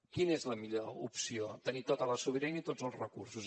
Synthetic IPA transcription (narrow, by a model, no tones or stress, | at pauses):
kinezləmiʎoṵpsiot̪ənit̪ot̪ələsuβiɾɛnit̪ozəlˠzrəkursus